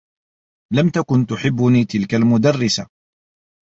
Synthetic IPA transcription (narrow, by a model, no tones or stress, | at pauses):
lamt̪akʊnt̪ʊħɪbːʊniːt̪ɪlkalmʊd̪arːɪsa